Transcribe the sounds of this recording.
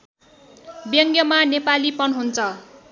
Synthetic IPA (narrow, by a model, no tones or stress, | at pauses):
bjʌŋɡjʌmanepalipʌnɦunt͡sʰʌ